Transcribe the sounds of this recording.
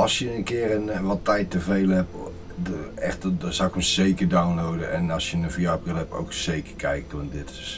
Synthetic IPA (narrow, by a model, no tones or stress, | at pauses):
ɔlˠsjəənkɪərənʋɔtːɛjtəveːləhɛp | ɛxtsɔɪkməseːkədawnlowdəʔɛnɔsjənənvijap̚rɪlˠhɛpo̰wkseːkə̥kʰɛjk̚tondɪtɪs